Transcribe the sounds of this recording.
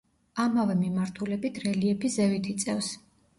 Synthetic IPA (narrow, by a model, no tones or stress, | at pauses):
amavɛmimaɾt̪ʰulɛbit̪ʰɾɛliɛpʰizɛvit̪ʰit̪sʼɛfs